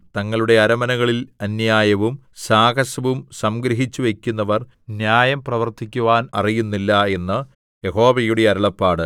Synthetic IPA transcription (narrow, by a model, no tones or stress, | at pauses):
t̪ɐŋːɐɭuɽe̞ɐɾɐmɐnɐɣɐɭilɐnjaːjɐʋum | saːɡɐɕɐʋumsɐmɡɾɐɦit͡ɕːuʋe̞kʲːunːɐʋɐr | njaːjɐmprɐʋɐrt̪ʰikʲːuʋaːnɐrijunːilːɐe̞nːɨ | je̞ho̞ːʋɐjuɽeɐɾɐɭɐpːaːɽɨ